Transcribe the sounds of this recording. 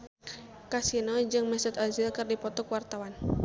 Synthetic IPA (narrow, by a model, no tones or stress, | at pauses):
kasinɔd͡ʒɨŋmɛsʊt̪azɪlkɨrdipɔt̪ɔkwart̪awan